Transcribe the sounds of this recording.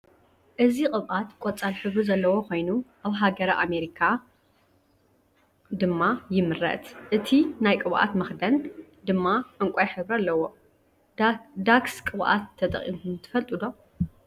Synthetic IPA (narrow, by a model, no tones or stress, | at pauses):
ʔɨzikʼɨβʔat̪kʷʼot͡sʼalħɨβɾuzɐlːɐwo̞kʰo̞jnuʔaβɦaɡɐɾaʔame̞ɾikʰa | d̪ɨmːajɪmɨrɐ̰t̪ʔɨt̪ʰinajkʼɨβʔa̰t̪mɐxd̪ɐn | d̪ɨmːaʔɨŋkʷʼojħɨβɾialːɐwo̞ | d̪akskʼɨβʔa̰t̪ʰːɐt̪ʼɐ̰χʼḭmʰɨnt̪ʰɨ̥fɐlt̪ʼɨd̪o̞